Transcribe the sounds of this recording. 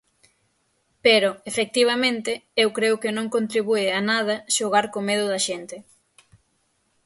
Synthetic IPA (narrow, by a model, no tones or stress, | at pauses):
peɾoefek̚t̪iβ̞ɐmẽnt̪ɪewkɾeʊkenõŋkont̪ɾiβuɪanað̞ɐʃoɣ̞aɾkomeðʊðɐʃent̪ɪ